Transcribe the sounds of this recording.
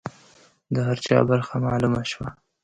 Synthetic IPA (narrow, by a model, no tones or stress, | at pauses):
d̪əhaɾt͡ʃɑ̰baɾxamɑlumaʃwa